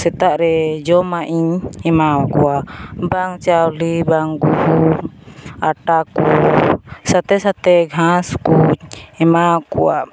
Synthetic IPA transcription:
sɛt̪aʔɾɛd͡ʒɔmaʔiɲɛmawakuabaŋt͡ʃawlibaŋɡuhu | aʈaku | sat̪ɛsat̪ɛɡʱãskuɛmakua̰ʔ

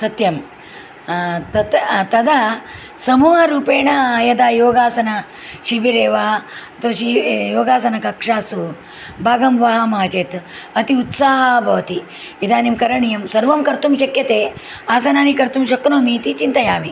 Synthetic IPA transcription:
sɐt̪jɐm | t̪ɐt̪t̪ɐd̪a | sɐmuːɦɐɾuːpeːɳɐːjɐd̪aːjoːɡaːsɐnɐ | ʃibiɾeːʋat̪oːʃijoːɡaːsɐnɐkɐkʂaːsu | bʱaːɡɐmʋaɦɐmaːt͡ʃeːt̪ɐt̪iut̪saːɦɐbʱɐʋɐt̪iː | d̪aːnimkɐɾɐɳijɐmsɐɾʋɐmkɐɾt̪umʃɐkjɐt̪eː | aːsɐnaːnikɐɾt̪umʃɐknoːmiːt̪it͡ʃint̪ɐjaːʋi

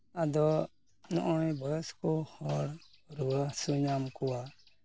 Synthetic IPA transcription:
ad̪ɔ | nɔ̰ʔɔɽ̃bɔjɛskɔhɔɽɾuəsuɲamkɔwa

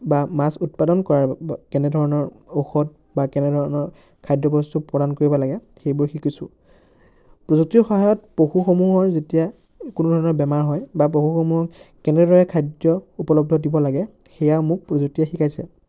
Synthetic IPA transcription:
bamasut̚padɔnkɔɹaɹkɛnɛdʱɔɹɔnɔɹ | oxɔd̚ | bakɛnɛdʱɔɹɔnɔɹ | kʰajdɔbɔstupɹɔdankoɹibɔlaɡɛ | xejbʊɹxikisʊ̃ | pɹɔzuk̚tixɔɦajɔtpɹoxuxomuɦɔɹzetija | kunudʱɔɹɔnɔɹbɛmaɹɦɔjbapɹoxuxomuɦɔkɛnɛdʱɔɹɛkʰajdjɔupɔlɔb̚dʱɔdibɔlaɡɛ | xɛjaʊmʊk̚pɹɔzuk̚tiɛxikajsɛ̰

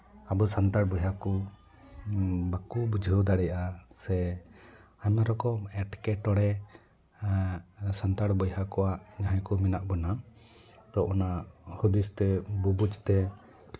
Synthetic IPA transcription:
abusant̪aɽbɔjɦaku | bakubud͡ʒʱəwd̪aɽɛjaʔasɛ | aɲmaɾɔkɔmɛʈkɛʈɔɽɛ | sant̪aɽbɔjɦakɔwaʔɲaɦajkuminaʔbɔna | t̪ɔʔɔnahud̪ist̪ɛbubut͡ʃt̪ɛ

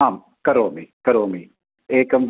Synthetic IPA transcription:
aːm | kɐɾoːmiːkɐɾoːmiː | eːkɐmʋ

